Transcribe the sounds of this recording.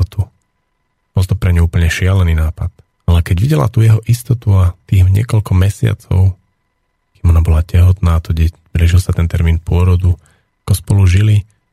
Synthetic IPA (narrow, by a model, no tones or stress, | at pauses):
ɔt̪u | b̥ɔlˠt̪ɔpɾɛɲuuːpl̩ɲɛʃɪalɛniːnaːpat̪ | alɛkɛɟʋiɟɛla̰t̪uːjɛɦɔʔist̪ɔt̪uat̪iːɣɲɪɛ̰kɔʎkɔmɛsɪa̰t͡sɔ̰ʊ | kiːmɔnabɔlacɛɦɔt̪naːt̪ɔɟɛ | bɾɛʒilsat̪ɛnt̪ɛɾmiːnpʊɔɾɔd̪u | akɔspɔluʒili